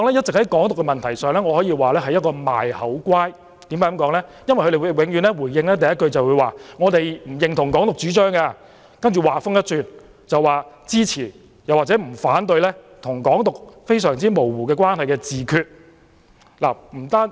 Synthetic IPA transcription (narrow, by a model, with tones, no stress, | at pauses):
ɔ˧ŋlɛː˥jɐ˥t̚t͡sɪ˨k̚hɐ˨˦jkɔː˨˥ŋt̪ʊ˨kːɛ˧mɐ˨nt̪ʰɐ˨˩jsœː˨˧ŋlɛː˥ŋɔː˨˧hɔː˨˥jiː˧waː˨lɛː˥ɦɐ˨jːɐ˥t̚kɔː˧ma̰ː˨jhɐ˨˥wkwaː˥j | t̪i˨˥maː˨˥ɐ˨mkɔː˨˥ŋlɛː˥jɐ˥nwɐ˨jxʰɾjːjwɪ˨ŋjyː˨˧nlɛː˥wuː˨˩jɪ˧ŋlɛː˥t̪ɐ˨jɐ˥t̚kɵ˧ɥt͡sɐ˨wuː˨˧jwaː˨˩ŋɔː˨˧t̪e˨jm̩˨˩jɪ˨˧ŋt̪ʰʊ˨˩ŋkɔː˨˥ŋt̪ʊ˨k̚t͡ʃyː˨˥t͡ʃœː˥ŋkaː˧ | kɐ˥nt͡ʃyː˨˩waː˨fʊ˥ŋjɐ˥t̚t͡syː˨˧n | t͡sɐ˨waː˨˩t͡siː˥t͡sʰiː˨˩ | jɐ˨waː˨˩t͡sɛː˨˥m̩˨˩faː˨˥nt̪ɵ˧jlɛː˥ | t̪ʰʊ˨˩ŋkɔː˨˥ŋt̪ʊ˨k̚fe˥jsœː˨˩ŋt͡siː˥mo˨˩wwuː˨˩kɛː˧kwaː˥nhɐ˨jkɛː˧t͡siː˨kʰyː˧t̚ | la̰ː˨˩m̩˨˩t̪aː˥n